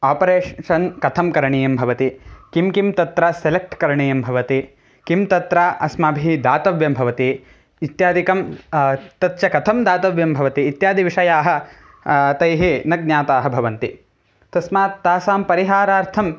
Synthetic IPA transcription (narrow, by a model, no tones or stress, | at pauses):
aːpɐɾeːʂɐnkɐt̪ʰɐmkɐɾɐɳiːjɐmbʱɐʋɐt̪ikimkimt̪ɐt̪ɾɐselek̚ʈkɐɾɐɳiːjɐmbʱɐʋɐt̪i | kimt̪ɐt̪ɾaʔɐsmaːbʱiid̪aːt̪ɐʋjɐmbʱɐʋɐt̪iː | t̪jaːd̪ikɐm | t̪ɐt̪t͡ʃɐkɐt̪ʰɐmd̪aːt̪ɐʋjɐmbʱɐʋɐt̪iːt̪jaːd̪ʱiʋiʂɐjaːɦɐ̆ | t̪ɐjɦinɐɡ̚nɲaːt̪aːɦɐbʱɐʋɐnt̪i | t̪ɐsmaːt̪ːaːsaːmpɐɾiɦaːɾaːɾt̪ʰɐm